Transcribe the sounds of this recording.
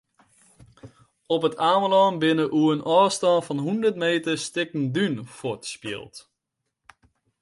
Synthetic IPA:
ɔpətʰaːməlɔːnbɪnəʔuənʔɔːstɔnfɔnɦundərtmeːtəstɪkən̩dynfotspjɪ̰əlˠt

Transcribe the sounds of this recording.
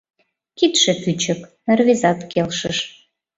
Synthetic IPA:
kit̪ʃep̪yt͡ɕə̆k | rβezɑt̪kelʃəʃ

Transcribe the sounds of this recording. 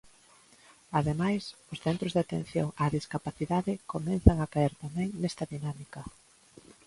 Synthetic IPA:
aðemajsʊsθɛnt̪ɾʊzðat̪ḛ̃n̟θjo̰ŋaðiskapaθiðaðɪkomɛnθaŋakaɛɾt̪amɛ̃ŋnɛst̪ɐðinamikɐ

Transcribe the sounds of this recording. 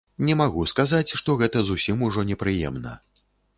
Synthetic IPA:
nʲɛmaɣuskazat͡sʲʂt̪ɔɣɛt̪ɐzusʲimuʐɔnʲɛpɾɨjɛ̰mnɐ̰

